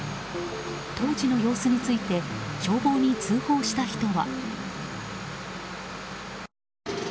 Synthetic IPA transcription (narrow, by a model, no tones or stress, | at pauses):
t̪ʰo̞ːd͡ʑino̞jo̞ːsɨɲ̟it͡sɨit̪e̞ɕo̞ːbo̞ːɲ̟it͡sɨːho̞ːɕi̥t̪açi̥t̪o̞βa̰